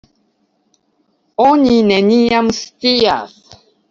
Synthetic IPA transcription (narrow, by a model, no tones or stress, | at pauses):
oɲinɛnijamst̪ija̰s